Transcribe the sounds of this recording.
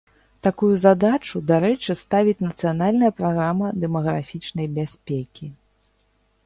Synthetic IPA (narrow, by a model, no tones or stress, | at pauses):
t̪akujuzad̪at͡ʂud̪aɾɛt͡ʂɨst̪avʲit͡sʲnɐt̪sɨjanalʲnɐjɐpɾaɣɾamɐd̪ɛmɐɣɾafʲit͡ʂnɐjbʲasʲpʲekʲi